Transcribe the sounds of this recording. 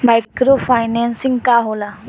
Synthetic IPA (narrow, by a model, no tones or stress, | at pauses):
majkɾofʰaːjnensĩŋɡkaɦola